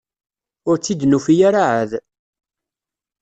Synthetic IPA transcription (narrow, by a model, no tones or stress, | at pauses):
ʊɾt͡sːid̪nufijaɾaʕəð